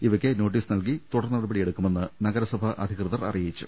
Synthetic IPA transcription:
iʋɐkʲːeno̞ːʈ̬ːiːsnɐlkit̪uɽɐrnːɐɽɐbɐɽijeɽukːume̞nːɨnɐɡɐɾɐsɐbʱɐʔɐ̰d̪ʱikrɨðɐrɐ̰rijɐit͡ɕːṵ

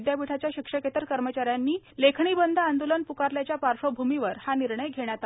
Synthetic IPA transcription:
d̪japiʈʰat͡ɕjaɕikʂəket̪əɾkəɾmət͡ɕaɾjanːiːlekʰɳiːbənd̪ʱəand̪olənpukaɾljat͡ɕjapaɾʂobʱumiʋəɾhaniɾɳəjɡʱeɽ̃jat̪a

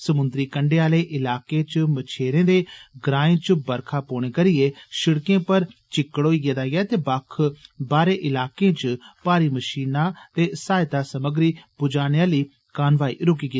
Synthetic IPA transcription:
səmʊnd̪ɾiːkəɳɖeːaːleːʔɪlaːkeːt͡ʃmət͡ʃʰeːɾẽːd̪eːɡɾaːẽːt͡ʃbəɾkʰaːpoːɳ̃eːkəɾɪjeːʃɪɽkẽːpəɾt͡ʃɪkːəɽoːiːɡeːd̪aːɡaːt̪eːbakʰbaːɾeːʔɪlaːkẽːt͡ʃpaːɾiːməʃiːnaːt̪eːsaːɪt̪aːsəməɡɾiːpʊd͡ʒaːneaːliː | kaːnʋaːḭːɾʊk̬iːɡi

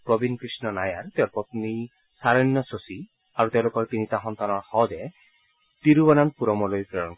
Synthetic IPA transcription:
pɾɔbinkɾisnɔnajaɾt̪ewɾpɔt̪ini | saɾɔnjɔsosi | aɾut̪elokɔɾt̪init̪aɦɔnt̪anɔɹhɔdɛ | t̪iɾubɔnanpuɾɔmɔlojpɾɔɾɔn

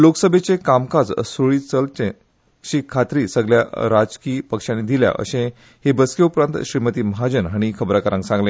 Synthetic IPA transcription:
loksəbʱet͡sekamkad͡zsoɭiːt͡səlt͡sẽ | ɕikʰat̪ɾiːsəɡlja̰ɾad͡zkiːpəkʂãnːid̪ʱilja̰ʔə̰sẽ | hebəskeupɾãnt̪ɕɾimət̪iːməɦad͡ʑənɦaɽ̃ikʰəbɾakəɾãŋksãŋɡlẽ

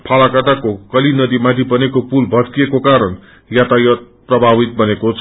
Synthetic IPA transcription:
pʰalakat̪akokʌlinʌd̪imãt̪ʰibʌnekopulbʱʌskiekokaɾʌn | jat̪ajʌt̪̚prʌbʱabit̪̚bʌnekot͡sʰ

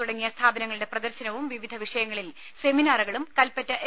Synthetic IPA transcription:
uɽɐŋːijɐst̪ʰaːbɐnɐŋːɐɭiɽeprɐd̪ɐɾɕɐnɐʋumʋiʋid̪ʱɐʋiʂɐjɐŋːɐɭil | se̞minaːruɣɐɭumkɐlpɐtːɐ

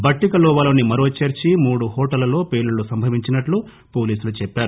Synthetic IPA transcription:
bɐʈːikɐlɔːʋɐloːnimɐɾoːt͡ʃeːɾt͡ʃimuːɽuɦɔːʈɐlɐlo̞ːpeːɭulusɐmbʱɐʋiɲt͡ʃinɐʈlu | po̞ːliːsulut͡ʃɛpːaːɾu

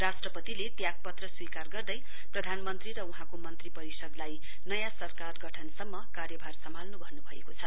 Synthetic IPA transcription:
rasʈrʌpʌt̪ilet̪jaɡ̚pʌt̪rʌswikarɡʌrd̪ʌj | prʌd̪ʱanmʌnt̪riɾʌuɦãkomʌnt̪ripʌɾisʌd̪laj | nʌjãsʌrkarɡʌʈʰʌnsʌmːʌkaɾjʌbʱarsʌmalnubʱʌnubʱʌḛkot͡sʰʌ

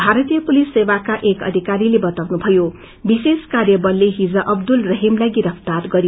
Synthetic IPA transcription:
bʱaɾʌt̪ijʌpulisːewakaʔekʌ̰d̪ʱikaɾilebʌt̪awnubʱʌjo | biseskarjʌbʌrleɦid͡zʌʔʌbd̪ulrʌɦimlajɡiɾʌpʰt̪arɡʌɾj

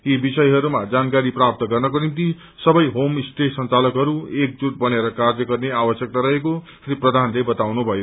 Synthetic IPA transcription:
ibisʌjɦʌɾumad͡zankaɾiprap̚t̪ʌɡʌrnʌkonimt̪i | sʌbʌjɦomsʈesʌnt͡salʌkɦʌɾuek̚d͡zut̪̚bʌneɾʌkard͡zʌɡʌrneabʌsjʌk̚t̪aɾʌɦeko | sriprʌd̪ʱanlebʌt̪awnubʱʌjo

